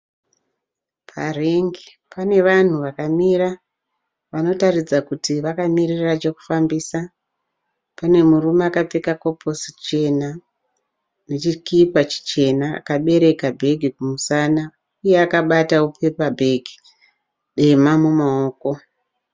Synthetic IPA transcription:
pʰareŋɡi | pane̞ʋan̤uʋakamiɾa | ʋano̞tarid͡zakutiʋakamirirat͡ʃe̞ku̥fambisa | pane̞murumeakap͡fekako̞pʰo̞sit͡ʃe̞na | ne̞t͡ʃikipat͡ʃi̥t͡ʃe̞na̰ːkaɓe̞ɾe̞kabʱe̞ɡʱikumusana | uje̞akaɓataupepabʱe̞ɡʱi | ɗe̞mamumaoːko̞

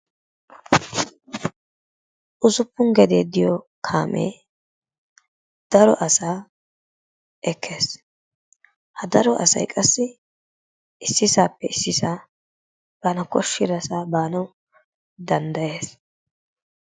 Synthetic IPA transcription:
ʔʊzʊpːʊŋɡɛd̪eːd̪ɪjɔ | kʰa̰ːmʔḛː | d̪̥ɐɾɔ̰ʔɐsaː | ʔɛkʰːe̞ːs | hɐd̪ɐɾɔʔɐ̰sɐ̰jkʼɐsːɪ | ɪsːɪsaːpːɛɪsːɪsaː | b̥aːnɐkʼɔʃːɪd̪ɐsaːbaːnɐw | d̪ɐnd̪ɐje̞ːs

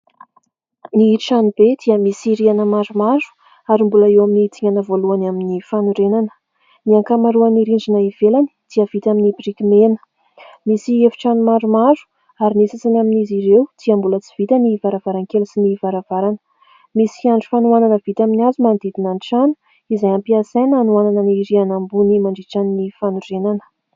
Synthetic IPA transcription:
niːʈ͡ʂanubed̪iəmisiɾianəmaɾumaɾu̥ | aɾimbuləewaminiːt̪iŋanəvoluanaminifanuɾenanə̥ | niaŋkamaɾuaniɾiɳɖ͡ʐinaiv̥elani̥d̪̥iəvit̪aminibiɾikimenə̥ | misiefi̥ʈ͡ʂanumaɖ͡ʐumazu̥ | aɾinesat͡sanaminiziɾewt͡s̪iambulət͡si̥v̥it̪anivaɾavaɾankelusinivaɾav̥aɾanə̥ | misi̥iaɳɖ͡ʐu̥fanuananəv̥it̪aminiazumand̪id̪inanʈ͡ʂanu | izajampiasajnanuananəniɾianambunimaɳɖ͡ʐiʈ͡ʂanːifanurenanə̥

